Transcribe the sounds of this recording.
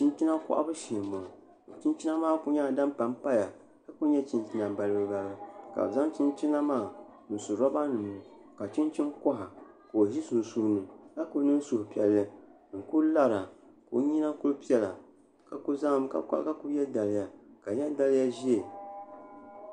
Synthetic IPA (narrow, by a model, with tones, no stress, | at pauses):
t͡ʃi˦n˦t͡ʃi˦na˦ka̰˦ʔa̰˦bɨ˦ʃi˨mːo˨ | t͡ʃi˦nt͡ʃi˦na˦maː˦˨pʊ˦ɲa˦˨da˦m˦pa˨mpa˦ja˨ | ka˨ku˦ɲɛ˦t͡ʃi˦nt͡ʃi˦na˨ba˨lɨ˦bɨ˦ba˨la˨ka̰˨za˦ŋt͡ʃi˦nt͡ʃi˦na˦maː˦˨nu˨su˨ɾa˦ba˦nɨ˨m˨ | ka˨t͡ʃi˦nt͡ʃi˦nkɔ˦ɦa˨ | ko˨ʒi˦su˨n˨suː˦nɨ˨ka˦kʊ˦nɨ˦n˦sʊ˨hpi˦ɛ˨lːɨ˦ | ŋ̩˨ku˦la˦ɾa˨ | ko̰˨˦ɲi˦na˦kʊ˦lpi˦ɛ˦la̰˨ | ka˨ku˦za˦ka̰˦ka̰˦ʔka˦ku˦jɛ˦lda˨lɪ˦ja˨ka˨jɛ˦lda˦lɪ˦ja˦ʒi˦e˨